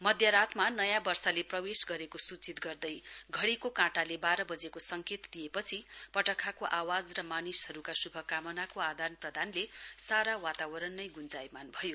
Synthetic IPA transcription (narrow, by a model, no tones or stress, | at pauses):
mʌd̪ʱjaɾat̪ʰmanʌjãbʌrsaleprʌwesɡʌɾekosut͡sit̪ɡʌrd̪ʌjɡʱʌɽikokãʈalebaɾʌbʌd͡zekosʌŋket̪d̪ijepʌt͡sʰipʌʈʌkʰakoʔawad͡zrʌmanishʌɾukasubʱʌkamʌnakoad̪ʱanprʌd̪ʱanlesaɾawat̪awʌɾʌnːʌjɡund͡zajmanbʱʌjo